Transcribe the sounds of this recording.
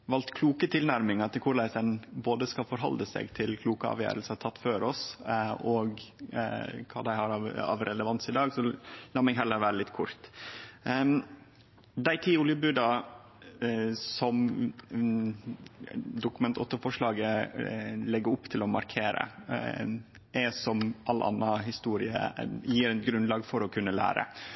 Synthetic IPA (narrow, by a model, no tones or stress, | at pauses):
ʋɑlt̪kʰluːkət̪ʰɪlnæɾmɪŋt̪ːəkʰʊɾɭæɪsd̪ɛnboːd̪əskɑlfɔɾɦɔ̰ld̪əsḛɡt̪ʰɪlkʰluːkəɑ̰ːʋjæ̰ːɾəlsət̪ʰɑt̪ːføːɾɔsɔɡ | kʰɑ̰ːd̪æɪhɑɾɑɑ̰ʋɾʔɛləʋɑnsɪd̪ɑːɡsɔlɑːmɪŋɦɛlːəɾʋæːɾəlɪt̪ːkʰʊɾt̪ | d̪æɪt̪ʰiːʊljəbʉːd̪ɑ | sɔm | d̪ʊkʉmɛnt̪ʰɔt̪ːəfɔʂɭɑːɡə | lɛɡəɾʊpːt̪ʰɪlɔmɑɾkʰeːɾə̰ | ʔɛsɔmʔɑlːʔɑ̰nːɑɦɪst̪uːɾɪə̰jiːɾɛnt̪ɡɾʉnlɑːɡfɔɾɔkʰʉnːəlæ̰ːɾə̰